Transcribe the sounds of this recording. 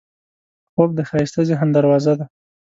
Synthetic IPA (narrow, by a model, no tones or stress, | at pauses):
xob̚d̪əxɑist̪əzeɦand̪aɾwɑzad̪a